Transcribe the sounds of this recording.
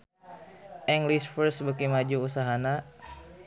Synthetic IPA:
ʔiŋɡlisfərsbəkimad͡ʒuusaɦana

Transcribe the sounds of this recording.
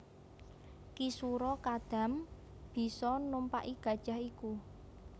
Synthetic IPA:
kisuɾɔkad̪̥a̤m | b̥i̤sɔnumpaʔiɡ̥ä̤d̥ʒ̥a̤ɦiku

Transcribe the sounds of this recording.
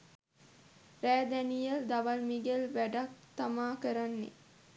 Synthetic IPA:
ɾæːd̪ænijəld̪aʋalmiɡelʋæɖak̚t̪amaːkəɾanːḛ

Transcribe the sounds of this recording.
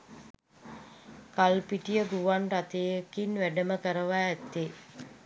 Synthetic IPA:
kalpiʈijəɡuʋanrat̪ejəkinʋæɖəməkəɾəʋaæt̪ːe

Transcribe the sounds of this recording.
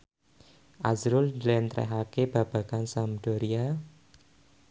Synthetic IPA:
ʔazɾʊldlɛnt̪ɾɛ̰ɦakeb̥a̤b̥a̤kansamd̪̥ɔɾia

